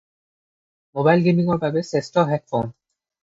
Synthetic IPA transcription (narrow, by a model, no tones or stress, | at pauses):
mobajlɡemiŋɔɹbabɛsestɔɦɛk̚fon